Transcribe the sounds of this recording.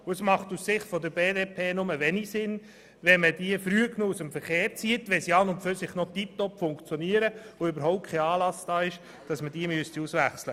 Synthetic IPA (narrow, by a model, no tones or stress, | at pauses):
ʊəsmɑχtussɪχtfɔd̪əɾbeːdeːpʰeːnʊməʋɛnisɪn | ʋɛmədiəfɾyəknoːusəmfəɾχeːɾt͡siətʋɛsiɑnʊntføsɪχnɔtip̚tɔpfʊŋkt͡sjɔniəɾəʋoʏbəɾɦɔʊptkʰɛɑːlɑsd̥ɑːɪʃ | d̥ɑsməd̥iːmyəstiusʋæχslə